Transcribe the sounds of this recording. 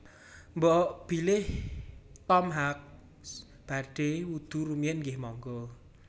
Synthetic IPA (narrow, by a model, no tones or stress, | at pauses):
mbɔʔb̥i̤lɪh | t̪ɔmɦak̚ | b̥aɖ̥e̤wud̪̥ṳɾumjɛnɡɪhmɔŋɡɔ